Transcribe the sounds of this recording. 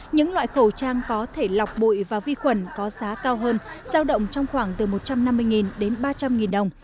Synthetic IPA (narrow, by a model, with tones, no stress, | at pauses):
ɲɨ̰˧˥ŋlwa̰ː˧˨jxə˧˩t͡ɕaː˧ŋkɔ˨˦t̪ʰe˧˩la˨˩wk͡p̚ɓo̰˧˨jvaː˨˩vi˧xwə˨˩nkɔ˨˦zaː˨˦kaː˧wɦəː˧nz̥aː˧wɗə̰˧˨wŋ͡mt͡ɕɔ˧wŋ͡mxwaː˧˩ŋt̪ɨ˨˩mo˨˩t̚t͡ɕa˧mna˧mːɨ˧jŋi˨˩nɗe˨˦nɓaː˧t͡ɕa˧mŋi˨˩nɗə˨˩wŋ͡m